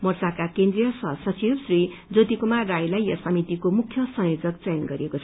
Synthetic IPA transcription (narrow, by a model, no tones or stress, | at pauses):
mʌrsakakend̪rijʌsʌsʌt͡sibsri | d͡zot̪ikomarajlajʌsʌmit̪ikomukʰjʌsʌ̃ŋjod͡zʌk̚t͡sejnɡʌɾiekot͡sʰʌ